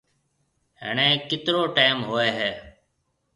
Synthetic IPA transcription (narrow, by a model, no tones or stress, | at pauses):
ɦɪ̰ɳeːkːɪt̪ɾoːʈaɪmɦoːeːɦɛː